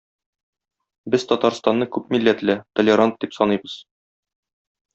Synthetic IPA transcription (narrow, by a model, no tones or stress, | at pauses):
bɘz̥t̪ɒt̪ɑɾst̪ɑnːɤkʉpmilːæt̪læt̪ŏlʲeɾant̪̚d̪ipsɒnɤjbɤz̥